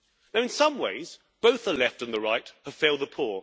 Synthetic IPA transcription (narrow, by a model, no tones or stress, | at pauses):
naʊɨ̃nsʌ̃mwḛɪz | b̥oʊθəlɛftɨ̃nðəɹaɪt̚həv̥feɪlˠðəpʰʊɹ